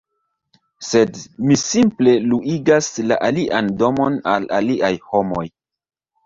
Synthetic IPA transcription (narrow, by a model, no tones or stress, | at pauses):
se̞dmisimple̞luʔiɡaslaʔaliʔando̞mona̰laliʔajho̞mo̞̰j